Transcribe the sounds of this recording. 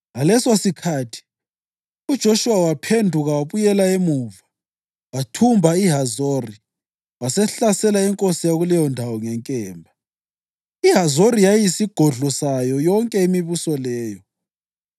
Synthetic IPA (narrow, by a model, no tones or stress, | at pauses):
ɣalɛsosikʰaːtʰi̥ | ud̥ʒ̥ʱoʃuwawapʰendʱuɣawaβujɛlaemuva | watʰumbʱaiɦazoːri | wasɛɬasɛlaɛŋkʼosijaɣulɛjɔndʱawɔŋɛŋkʼɛːmbʱa | iɦazoɾijajisiɡ̥ʱɔɮɔsajɔjɔŋkʼɛimiβusɔlɛːjɔ